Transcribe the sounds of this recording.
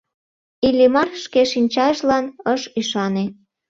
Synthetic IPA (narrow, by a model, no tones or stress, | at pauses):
ilʲimɑrʃkeʃinʲt͡ɕɑʒlɑnəʃyʃɑne